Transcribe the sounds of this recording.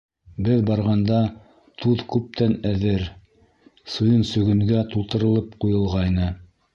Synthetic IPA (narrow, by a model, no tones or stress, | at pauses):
bɘðbɑɾʁɑnd̪ɑ | t̪ʰuðkʉp̚t̪ænæðɘɾ | sŭjɤnsɵ̆ɡɵ̆ŋɡæt̪ulˠt̪ɤ̆ɾɤ̆lˠɤpqujɤ̆lˠʁɑjnɤ